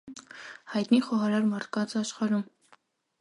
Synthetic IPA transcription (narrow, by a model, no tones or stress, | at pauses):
hɑjt̪niχɔɦɑɾɑɾmɑɾt̪ʰkɑnt͡sɑʃχɑɾum